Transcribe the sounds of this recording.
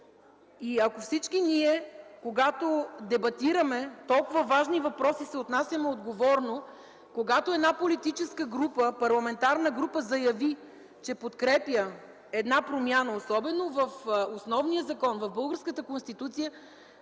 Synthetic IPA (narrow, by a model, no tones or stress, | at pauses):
iɐkofsit͡ʃkiniɛkoɡat̪od̪ɛbɐt̪iɾəmɛt̪ɔlˠkʊvəvaʒnivɐpɾɔsisɛot̪nasʲɐmɛod̪ɡovɔɾno | koɡat̪oɛd̪napolit̪it͡ʃɛskəɡɾupəpɐɾlˠɐmɛnt̪aɾnəɡɾupəzɐjɐvi | t͡ʃɛpot̪kɾɛpjə | ɛd̪napɾomʲjanəosɔbɛnovɐfosnɔvnijəzɐkɔnvɐvbɤlˠɡəɾskət̪əkonst̪it̪ut̪sijə